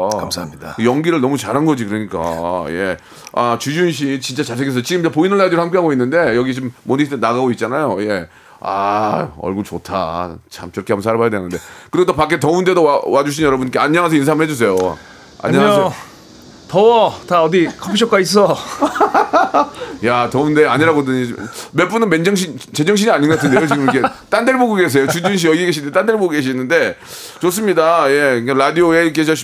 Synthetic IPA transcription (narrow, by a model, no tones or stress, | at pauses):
kamsamɲdajʌŋɡiɾɯɭnʌmut͡ɕaɾanɡʌd͡ʑikɯɾʌɲik͈a̰je̞ | at͡ɕud͡ʑunɕ̬ʰit͡ɕint͡ɕ͈at͡ɕasʰekes̬ʰʌt͡ɕiɡɯmopoinɯɭːadiɾɭhamk̬͈eɦaɡoinːɯnde̞jʌɡit͡ɕomːonisʰt͈enaɡaɡoit̚t͡ɕ͈anajoje̞ | a̰ʌ̰ɭɡuɾt͡ɕotʰat͡ɕʰamt͡ɕɯɾʌkeambʌnsʰaɾabajadwenɯnde̞kɯɾiɡotopak͈etʌunde̞doawad͡ʑuɕ̬ʰinjʌɾʌbunk͈eaɲːʌŋas̬ʰʌins̬ʰamɭhed͡ʑus̬ʰe̞jo | a̰ɲɲːaae | tʌwʌtaʌdikʰʌpiɕʰʌk͈ais̬͈ʌ | jatʌunde̞aɲiɾaɡodɯɲimep͈unɯnmend͡ʑʌŋɕ̬ʰint͡ɕe̞d͡ʑʌŋɕ̬ʰiɲiaɲiŋɡatʰɯndeot͡ɕiɡɯmikʰet͈andeɭboɡuɡes̬ʰe̞jot͡ɕud͡ʑinɕ̬ʰiʌɡieɡeɕʰind̪et͈andeɭboɡuɡeɕ̬ʰinːɯnde̞ | t͡ɕos̬͈ɯmɲidaje̞kaɾadioekeɕ̬ʰʌɕʰi